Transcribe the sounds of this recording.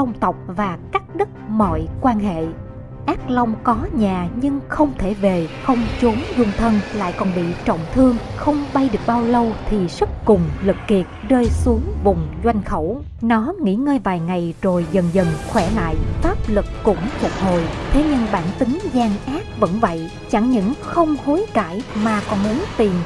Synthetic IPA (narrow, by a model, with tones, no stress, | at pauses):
t̪ə˧wŋ͡mt̪ə˨˩wk͡p̚vaː˨˩kaː˦˥k̚ɗɨ˦˥t̚mɔ̰˧˨jkwaː˧nɦḛ˧˨ | ʔaː˦˥k̚la˧wŋ͡mkɔ˨˦ɲaː˨˩ɲɨ˧ŋxə˧wŋ͡mt̪ʰe˧˩ve˨˩xə˧wŋ͡mt͡ɕu˨˦nzʊ˧ŋ͡mt̪ʰə˧nla̰ː˧˨jkɔ˨˩nɓḭ˧˨t͡ɕɔ̰˧˨wŋ͡mt̪ʰɨ˧əŋxə˧wŋ͡mɓa˧jɗɨ˨˩ək̚ɓaː˧wlə˧wt̪ʰi˨˩sə˦˥k̚kʊ˨˩ŋ͡mlɨ˨˩kːi˨˩ək̚zəː˧jsu˨˦əŋvʊ˨˩ŋ͡mzwa˧jŋ̟xə˧˩w | nɔ˨˦ŋḭ˧˥ŋəː˧jvaː˨˩jŋa˨˩jzo˨˩jzə˨˩nzə˨˩nxwɛ˧˩la̰ː˧˨jfaː˦˥p̚lɨ˨˩k̚ːʊ̰˧˥ŋ͡mfʊ˨˩k̚ho˨˩jt̪ʰe˨˦ɲɨ˧ŋɓaː˧˩nt̪ï˨˦ŋzaː˧ŋʔaː˦˥t̚və̰˧˥nvə̰˧˨jʔ | t͡ɕa˧˩ŋɲɨ̰˧˥ŋxə˧wŋ͡mho˨˦jka̰ː˧˩jmaː˨˩kɔ˨˩nmu˨˦ənt̪i˨˩ən